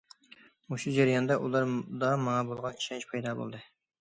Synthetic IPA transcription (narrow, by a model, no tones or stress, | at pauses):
oʃud͡ʒeɾijɑnd̪ɑʔṵlˠɑɾd̪ɑmɑŋɑbolˠʁɑniʃɑnt͡ʃpʰɑjd̪ɑbo̰lˠd̪ɨ